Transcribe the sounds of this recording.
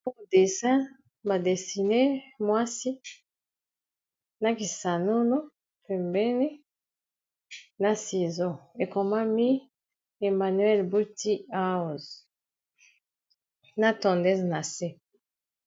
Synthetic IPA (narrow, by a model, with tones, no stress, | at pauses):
po˦de˨sã˦ | ba˨de˨si˨ne˦mwa˦si˦ | na˨ki˨sa˨no˦no˦ | pɛ˨mbɛ˦ne˦ | na˨si˨zɔ̃˦e˨ko˨ma˦mi˦ | e˨ma˨nɥɛ˦lbu˦ti˦a˦˨z | na˨tɔ̃˨ndɛ˦zna˨se˦